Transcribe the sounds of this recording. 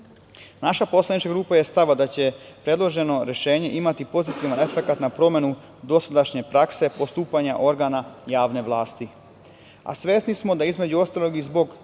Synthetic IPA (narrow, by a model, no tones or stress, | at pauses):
naʃapo̞slanit͡ʃkaɡɾuːpaje̞st̪aʋad̪at͡ɕe̞pɾe̞d̪lˠo̞ʒe̞no̞ɾeʃe̞ːɲe̞ʔimat̪ipo̞zit̪iʋane̞fe̞kat̪napɾo̞me̞nu | d̪o̞sad̪aʃɲe̞pɾakse̞po̞st̪uːpaɲaʔo̞ɾɡanajaːʋne̞ʋlˠaːst̪i | a̰sʋe̞ːsnismo̞d̪aizme̞d͡ʑuo̞st̪alo̞ɡizbo̞ɡ